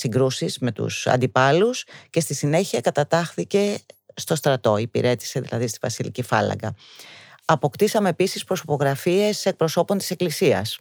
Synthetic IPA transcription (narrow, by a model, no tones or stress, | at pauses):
siŋɡɾusizme̞t̪ṵsɐ̰nd̪ipɐlusce̞st̪isine̞çiɐkɐt̪ɐt̪ɐxθice̞st̪o̞st̪ɾɐt̪o̞ipḭɾe̞t̪i̥se̞ðḭlɐ̰ðist̪ivɐsilḭcifɐ̰lɐ̰ŋɡɐ̰ | ɐpo̞kt̪isɐme̞ːpisispɾoso̞po̞ɣɾɐfie̞se̞k̚pɾo̞so̞po̞nt̪i̥se̞klisiɐ̰s